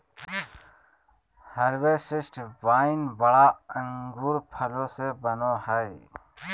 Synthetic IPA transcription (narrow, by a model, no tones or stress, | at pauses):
həɾʋeːsɪsʈʋaːinbəɽaːəŋɡʱuːɾpʰəloːseːbənoːhəeː